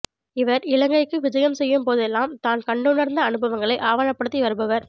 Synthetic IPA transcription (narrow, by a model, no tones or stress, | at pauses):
ɪʋɐɾɪlɐŋɡɐɪkːɯʋɪd͡ʒɐjɐmsɛjːɯmpoːðɛlːaːmt̪aːnkɐɳɖɯɳɐɾnd̪ɐːnɯbɐʋɐŋɡɐɭɐɪʔaːʋaːɻɐpːɐɽɯt̪ːiʋɐɾɯbɐʋɐɾ